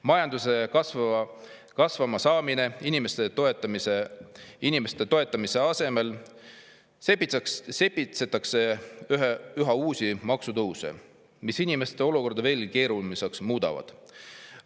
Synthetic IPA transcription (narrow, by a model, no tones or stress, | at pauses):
mɑjɑnd̪use̞kɑsv | kɑsvɑmɑsɑːmine̞inimest̪et̪oet̪ːˑɑmiseinime̞st̪e̞t̪o̞e̞t̪ːˑɑmise̞ɑse̞me̞l | se̞pːˑit̪seksse̞pːit̪set̪ːˑɑkseyɦyɦɑuːsʲimɑksud̪uusḛ | misinime̞st̪e̞o̞luko̞rd̪̥ɑve̞ːlke̞ːɾulmiseksmuːd̪̥ɑ̰vɑ̰d̪̥